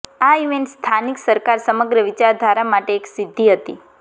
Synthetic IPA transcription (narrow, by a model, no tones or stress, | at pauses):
aiʋenst̪ʰaniksəɾkaɾsəməɡɾəʋit͡ʃaɾd̪ʱaɾamaʈeːksid̪ʱːiɦət̪ḭ